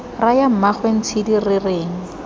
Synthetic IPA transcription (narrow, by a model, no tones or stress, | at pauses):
rajam̩maχwen̩t͡sʰɪdirɪreːŋ̩